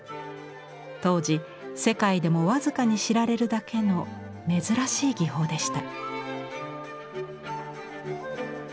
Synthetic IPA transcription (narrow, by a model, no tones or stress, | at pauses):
t̪o̞ːʑi | se̞kaid̪e̞mo̞βazɨkaɲ̟iɕiɾaɾe̞ɾɯ̟d̪akʰe̞no̞ | me̞zɨɾaɕiːɡʲiɦo̞ːd̪e̞ɕi̥t̪a